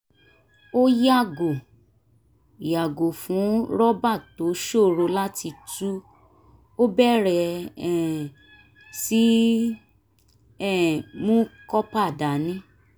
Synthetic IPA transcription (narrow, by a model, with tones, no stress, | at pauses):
o˦ja˦˨ɡo˨ | ja˨ɡo˨fũ˨˦ɾɔ˦ba˦˨to˨˦ʃo˦˨ɾo˧la˦ti˧tu˦ | o˦bɛ˦ɾɛ˧ɛ˨ | si˦ | ɛ˦˨mũ˦kɔ˦pa˦˨da˨˦nĩ˦